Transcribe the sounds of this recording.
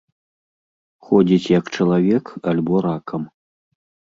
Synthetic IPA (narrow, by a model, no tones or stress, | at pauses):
xɔd͡zʲit͡sʲjɐkt͡ʂɐlˠavʲɛkalʲbɔɾakʰɐm